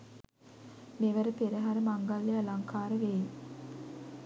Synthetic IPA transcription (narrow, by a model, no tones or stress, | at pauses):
meʋəɾəpeɾəɦaɾəmaŋɡalːealaŋkʰaːɾəʋeːj